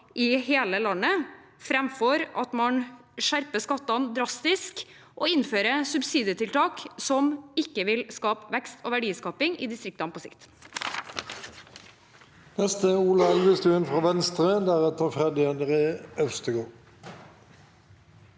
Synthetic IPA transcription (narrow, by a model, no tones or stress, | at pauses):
ɪheːləlɑnːəfɾɛmfɔɾɑt̪mɑn | ʂæɾpəskɑt̪ːɑnd̪ɾɑst̪ɪsk | ʔoːɪnføːɾəsʉbsiːd̪ɪət̪ʰɪlt̪ʰɑːksɔmɪkːəʋɪlskɑːpʋɛkst̪oːʋæɖiːskɑːpɪŋḭːd̪ɪst̪ɾɪk̚t̪ɑnpʰoːsɪ̰kt̪ | nɛst̪əuːlɑɛlʋəst̪ʉːənfʁɑːʋɛnst̪ʁəd̪æʁɛt̪əʁfʁɛd̪ɪɛd̪əʁeːœʉst̪əɡoː